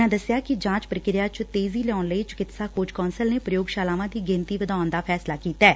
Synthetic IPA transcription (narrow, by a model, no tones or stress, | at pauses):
ãːd̪əsɪjaːkɪd͡ʒãːt͡ʃpɾəkɪɾɪjaːt͡ʃt̪eːziːlɛɔːnləiːt͡ʃʊ̥kɪt̪saːkoːd͡ʒkɔːnsəlneːpɾəjoːɡʃaːlaːʋãːd̪iːɡɪ̃nt̪iːʋəd̪aːʊnd̪aːpʰɛːslaːkiːt̪aɛː